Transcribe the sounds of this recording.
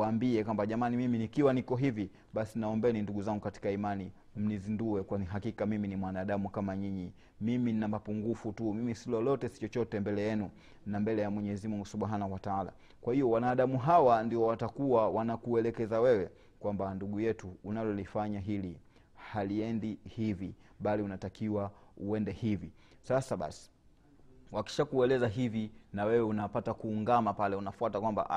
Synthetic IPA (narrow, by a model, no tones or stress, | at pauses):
waːmbiɛkwambaʄamanimiminikiwanikɔɦivi | ɓasinaɔmbɛninduɡuzaŋɡukati̥kaimani | m̩nizinduɛkwaiɦakikamiminimwanaːɗamukamaɲiɲi | mimin̩namapuŋɡufutumimisilɔlɔtɛsi̥t͡ʃɔt͡ʃɔtɛmbɛlɛjɛnu | nambɛlɛjamwɛɲɛzimuŋɡusuɓaɦanawataala̰ | kwahijɔwanaːɗamuɦawandiɔwatakuwawanakuɛlɛkɛzawɛwɛ | kwambanduɠujɛtuːnalɔlifaɲaɦili | haliɛndihivi | ɓaliunatakiwauɛndɛhivi | sasaɓa̰si̥ | waki̥ʃakuɛlɛzaɦivinawɛwɛunapatakuːŋɡamapalɛunafuatakwamba̰ʔa